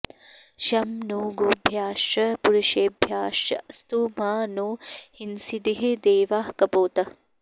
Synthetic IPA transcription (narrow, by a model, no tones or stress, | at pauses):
ʃɐmnoːɡobʱjaːʃɐpuɾuʃeːbʱjaːʃɐ̰st̪umaːnoːhinsid̪iɦed̪eːʋaːhkɐpoːt̪ɐ